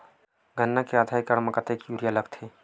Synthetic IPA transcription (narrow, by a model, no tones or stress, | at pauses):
ɡʱənːakead̪ʱajkəɽməkət̪ekjuɾijaləɡt̪ʰe